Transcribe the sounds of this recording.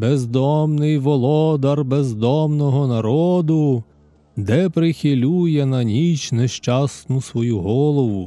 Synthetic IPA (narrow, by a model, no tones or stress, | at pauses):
bezd̪ɔmnɪjʋɔlˠɔd̪ɐrbezd̪ɔmnɔɦɔnɐɾɔd̪ʊ | d̪ɛpɾɪxʲɪlʲujɛnɐnʲit͡ʃneʃt͡ʃɑsnʊsʋɔjuɦɔlˠɔʋʊ